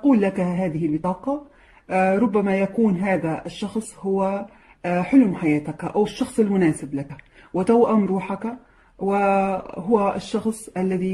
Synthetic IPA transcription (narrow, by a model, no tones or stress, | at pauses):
quːlːakɦaːðɪhɪlbɪt̪ˤɑːqɑ | ɾˤʊbːamajakuːnɦaːðaʔɪʃːɑxsˤhʊwa | ħʊlmħajaːt̪ɪkʔawɪʃːɑxsˤɪlmʊnaːsɪblak | wɪt̪awʔamɾˤuːħak | wɪɦʊwæʔɪʃːɑxsˤʔalːæði